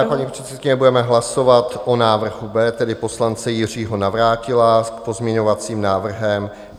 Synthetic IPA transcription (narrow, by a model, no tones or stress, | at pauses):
aːklad̪ɲiːprɛt̪sɛt̪̚kɪɲɛbudɛmɛɦlaso̞vat̪ʔonaːvr̩ɦubɛːt̪ɛdɪpo̞slant͡sɛjɪr̝iːɦo̞navɾaːcɪlakpozmɲɛɲo̞vat͡siːmnaːvr̩ɦɛm